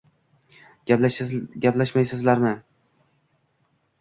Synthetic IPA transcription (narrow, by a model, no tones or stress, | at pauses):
ɡʲaplaʃmajsɪzlaɾmɪ